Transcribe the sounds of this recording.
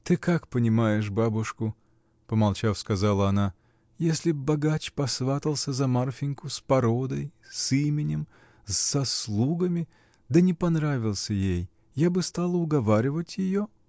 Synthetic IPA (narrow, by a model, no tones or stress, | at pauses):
t̪ɨkakpənʲɪmajɪʂbabʊʂkʊ | pəmɐlˠt͡ɕafskɐzalˠəɐna | jesʲlʲɪbɐɡat͡ɕpɐsvat̪əlˠsʲəzɐmarfʲɪnʲkʊspɐɾod̪əjsimʲɪnʲɪm | zz̥ɐslˠuɡəmʲɪ | d̪ənʲɪpɐnɾavʲɪlˠsʲəjej | jabɨst̪alˠəʊɡɐvaɾʲɪvətʲjɪjo